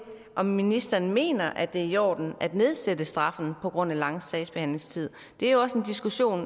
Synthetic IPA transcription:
ʔɒ̽mːinisd̥ɐːnme̝̰ːnɐʔæd̥e̝æjɒ̰ːd̥n̩æd̥ne̝ð̞ˠsedəsd̥ʁɑ̈fn̩pʰɒ̽ɡ̥ʁɔ̽n̰ælɑ̈ŋ̰sɛɪsb̥ehænle̝ŋst͡sʰið̞̰ˠ | d̥e̝æɐjo̝ɒ̽se̝nd̥isɡ̥uɕo̝̰ːn

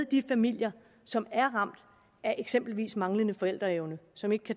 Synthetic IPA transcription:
d̥ifæmil̰jɐ | sɒ̽mæɐʁɑ̈m̰d̥ | æɐʔe̝ɡ̥sem̰b̥l̩ʋḭːsmɑ̈ŋlənəfɒ̽el̰d̥ʁɐeʊnəsɒ̽me̝ɡ̥əkʰæ

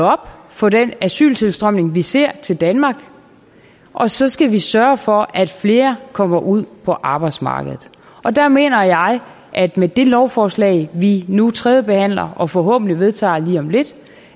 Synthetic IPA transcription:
ɒ̽b̥fɒ̽d̥enæsy̰ːlt͡sʰe̝lsd̥ʁœm̰ne̝ŋʋise̝ɐ̰t͡sʰe̝ld̥ænmɑ̈ːɡ̥ | ʔɒ̽sɒ̽sɡ̥æʋisɶɐfɒ̽æd̥fle̝ːɐkʰɒ̽m̰ɐʔuð̞̰ˠpʰɒ̽ʔɑ̈ːb̥ɑ̈ɪd̥smɑ̰̈ːɡ̥əðˠð̩ˠ | ʔɒ̽d̥æɐme̝̰ːnɐjɑ̈ɪ | ʔæd̥med̥e̝lɒʊfɒːslɛ̰ɪʋinut͡sʰʁɛːðˠəb̥e̝hæn̰lɐʔɒ̽fɒ̽ɦɔ̰̽ːb̥n̩liʋe̝ð̞ˠt͡sʰɑ̰̈ːliːɒ̽mle̝d̥

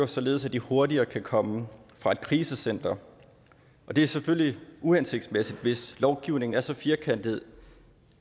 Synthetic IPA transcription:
osɒ̽le̝ːðˠsæd̥iho̝ɐd̥iɐːkʰækʰɒ̽məfʁɑ̈e̝d̥̚kʰʁiːsəsen̰d̥ɐ | ʔɒ̽d̥e̝æɐseføl̰liuænse̝ɡ̥̚d̥smesid̥ʋe̝slɒʊɡ̥iʊne̝ŋn̩æɐsɒ̽fiɐkʰen̰d̥ihe̝ð̰ˠ

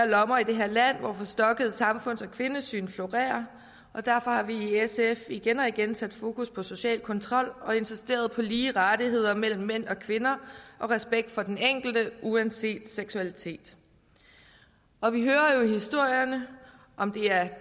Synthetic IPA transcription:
æɐlɒ̽mɐid̥e̝ɦe̝ɐlæn̰ʋɒ̰fɒ̽sd̥ɒ̽ɡ̥əð̞̩ˠsɑ̈mfɔ̽n̰sɒ̽kʰʋe̝nəsy̰ːnflo̝ʁɛ̰ːɐ | ʔɒ̽d̥æɐfɒ̽hɑ̈ʋiːesefiɡ̥enɒiɡ̥ensæd̥fo̝ːkʰuspʰɒ̽so̝ɕɛ̰ːlkʰɒ̽nt͡sʰʁɒ̽l̰ɒ̽e̝nsisd̥e̝̰ːɐð̞̩ˠpʰɒ̽liːʁad̥iɦe̝ð̞̰ˠɐmel̰m̩ːen̰ɒ̽kʰʋe̝nɐʔɒ̽ʁɛsb̥eɡ̥̚d̥fɒ̽d̥eneŋ̰ɡ̥l̩d̥əʔuænse̝̰ːd̥seɡ̥suælit͡sʰe̝̰ːd̥ | ʔɒ̽ʋiɦøːɐjo̝ihisd̥o̝ɐ̰jɐnə | ʔɒ̽md̥e̝æɐ

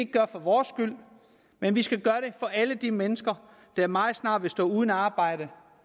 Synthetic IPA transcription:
eɡ̥̚ɡ̥ɶɐfɒ̽ʋɒːsːɡ̥yl̰ | menʋisɡ̥æɡ̥ɶɐɾ̥e̝fɒ̽ʔæləd̥imenəsɡ̥ɐ | d̥ɑ̈æɐmɑ̈ːð̩ˠsnɑ̈ːd̥ʋe̝sd̥ɔ̰̽ːuːð̞ˠnæɑ̈ːb̥ɑ̈ɪ̰ɾ̥ə

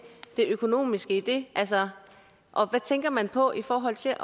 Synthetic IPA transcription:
d̥e̝økʰo̝no̝̰ːmisɡ̥əid̥e̝ʔæls̬ɐ | ʔɒ̽ʋæt͡sʰeŋɡ̥ɐmænpʰɒ̽ʔifɒːɦɒ̽l̰t͡sʰe̝ʔ

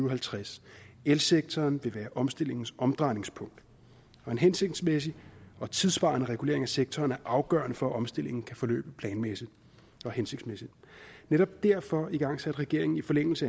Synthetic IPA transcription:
yʊɦælt͡sʰʁaselseɡ̥̚t͡sʰɒːnʋe̝ʋæːɐʔɒ̽msd̥e̝l̰e̝ŋn̩sɒ̽md̥ʁɑ̈ɪne̝ŋspʰɔ̽ŋ̰d̥ | ɒ̽e̝nɦense̝ɡ̥̚d̥smes̬iɒ̽t͡sʰiðˠsb̥ɑ̈ːɐnəʁɛɡ̥ule̝ɐ̰e̝ŋæseɡ̥̚t͡sʰɒːnæɐʔɑ̈ʊɡ̥ɶɐnəfɒ̽æʔɒ̽msd̥e̝l̰e̝ŋn̩kʰæfɒ̽lø̰ːb̥əpʰlɛːnmesi̥ | ɒ̽hense̝ɡ̥d̥smesid̥ˠneɾɒ̽b̥̚d̥æɐ̰fɒ̽iɡ̥ɑ̈ŋ̰sæd̥ʁɛɡ̥e̝ɐ̰e̝ŋn̩ifɒ̽leŋ̰l̩səæ

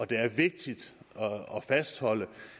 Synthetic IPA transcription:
ɒ̽d̥e̝æɐʋe̝ɡ̥̚d̥id̥ɒɒfæsd̥hɒ̽l̰ə

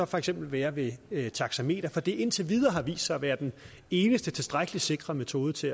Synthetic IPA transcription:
ɒ̽fɒ̽eɡ̥sem̰b̥l̩ʋæːɐʋe̝t͡sʰɑ̈ɡ̥sæme̝̰ːd̥ɐfɒ̽d̥e̝ʔe̝n̰t͡sʰeʋið̞ˠɐɦɑ̈ʋḭːsd̥sɑɪɒʋæːɐd̥en | e̝ːnəsd̥ət͡sʰe̝lsd̥ʁaɡ̥əlise̝ɡ̥ʁɐmet͡sʰo̝ːð̞ˠət͡sʰe̝

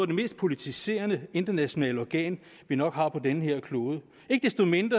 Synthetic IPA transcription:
ɐd̥e̝me̝ːsd̥pʰo̝lit͡sʰise̝̰ːɐnəe̝nd̥ɐnæɕo̝nɛ̰ːləɒɡ̥ɛ̰ːn | ʋinɒ̽ɡ̥ɦɑ̈pʰɒ̽denəɦeɐ̰kʰlo̝ːðˠə | e̝ɡ̥əd̥esd̥o̝me̝nd̥ʁɐ

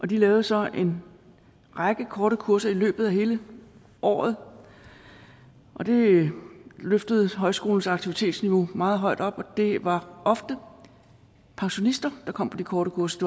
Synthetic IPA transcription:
ʔɒ̽d̥ilɛːʊð̩ˠsɒ̽ʔe̝n | ʁɑɡ̥əkʰɒːɾəkʰuɐsɐilø̰ːb̥ð̩ˠæɦe̝ːlə | ʔɒ̰ːð̞̩ˠ | ʔɒ̽d̥e̝ | løfd̥əð̞̩ˠɦɒ̽ɪsɡ̥o̝ːln̩sɑɡ̥̚t͡sʰiʋit͡sʰe̝̰ːd̥sniʋo̝mɑ̈ːð̞̩ˠɦɒ̽ɪ̰d̥ɒ̽b̥ɒ̽d̥e̝ʋɑ̈ʔɒ̽fd̥ə | pʰɑ̈ŋɕo̝nisd̥ɐd̥ɑ̈kʰɒ̽m̰pʰɒ̽d̥ikʰɒːɾəkʰuɐsɐd̥e

